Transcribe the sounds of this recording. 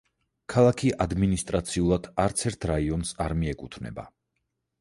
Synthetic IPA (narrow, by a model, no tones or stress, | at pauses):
kʰalˠakʰiʔad̪minist̪ʼɾat̪sʰiulˠad̪̥aɾt̪sʰɛɾt̪ʰɾaiɔnsaɾmiɛkʼut̪ʰvnɛ̰ba̰